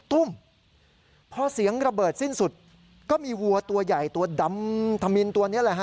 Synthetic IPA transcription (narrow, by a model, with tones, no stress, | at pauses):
t̪u˥˩m | pʰɔ˧si˨˩˦əŋɾa˧bɤː˨˩t̪̚si˥˩nsu˨˩t̪̚ | kɔː˥˩miː˧wu˧ɐt̪u˧ɐja˨˩jt̪u˧ɐda˧mt̪ʰa˧mi˧nt̪u˧ɐni˦˥ɐlɛ˨˩kʰa˦˥